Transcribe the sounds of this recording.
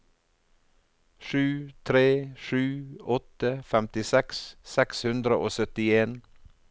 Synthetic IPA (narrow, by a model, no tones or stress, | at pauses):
ʃʉːt̪ʰɾeːʃʉːɔt̪əfɛmt̪ɪsɛkssɛkshʉnd̪ɾəʔoːsœt̪ɪeːn